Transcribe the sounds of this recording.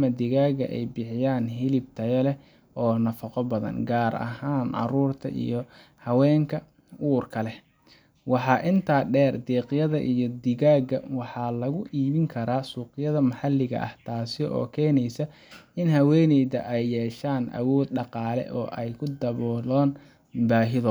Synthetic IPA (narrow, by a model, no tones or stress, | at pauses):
mɐd̪ɪɣaːɣɐ̰ʔɛ̰jbɪħɪjaːnɦɪlɪb̚t̪ʰɐjɛlɛ | ʔɔːnɐfɐqɔbɐðɐ̰nɡaːɾɐ̰ɦaːnʕɑ̰ɾuːrt̪ʰɐ̰ʔḭjɞ | hɐwɛːŋkʰɐ | uːrkʰɐlɛ | wɑħɑːʔɪnt̪ʰaːɖɛːrd̪ɛːqɪjɐðɐ̰ʔijɔd̪ɪɣaːɡɐ̰wɑħɑːlɐɣʊʔiːβɪŋkʰɐɾaːsuːqɪjɐðɐmɐħɑlːɪɣɐ̰ʔɐ̰ht̪ʰaːsɪɔ̰ːkʰɛːnɛjsɐ | ɪnhɐwɛːnɛjðɐ̰ʔɛjːɛːʃaːnʔɐ̰wɔːd̪̚ɖɑqɑːlɛ̰ʔɔ̰ːʔɛjkʰʊd̪ɐβɔːlɔːn | baːɦɪðɔ